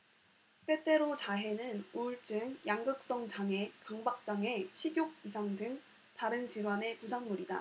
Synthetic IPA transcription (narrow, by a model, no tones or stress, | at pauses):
t͈e̞t͈e̞ɾot͡ɕaɦe̞nɯnuɭt͡ɕ͈ɯŋjaŋɡɯk̚s͈ʌŋd͡ʑaŋe̞kaŋbak̚t͡ɕ͈aŋe̞ɕʰiɡjoɡ̚isʰaŋdɯŋ | taɾɯnt͡ɕiɾwane̞pusʰaŋmuɾida̰